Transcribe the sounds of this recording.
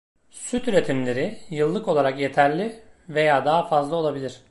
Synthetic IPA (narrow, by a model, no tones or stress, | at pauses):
syt̪yɾe̞t̪ʰimlʲe̞ɾijɯlˠːɯko̞lˠaɾakje̞t̪ʰæɾlʲive̞jaːd̪aɦafazlˠao̞lˠabilʲiɾ̝̥